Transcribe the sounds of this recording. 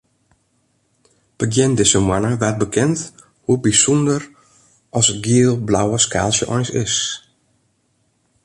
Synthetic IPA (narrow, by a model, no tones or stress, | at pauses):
b̥əɡjɪndɪsəmwanəʋɛt̚bəkʰɛnt | hubisundər | ɔsɡiəlˠblawəska̰ːlˠsjəʔɔjnsɪs